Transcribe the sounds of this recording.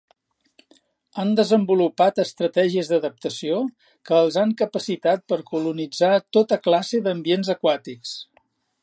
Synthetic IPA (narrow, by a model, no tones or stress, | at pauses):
and̪əzəmbulupat̪əst̪ɾət̪ɛʒiəzðəðəp̚t̪əsio | kəːlˠzaŋkəpəsit̪at̪̚pəɾkulunid͡zat̪ot̪əklasəðəmbienzəkwat̪iks